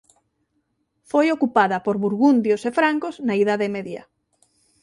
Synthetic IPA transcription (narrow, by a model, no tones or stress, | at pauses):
fojokupaðɐpoɾβuɾɣund̪josefɾaŋkoznaiðaðemɛðjɐ̰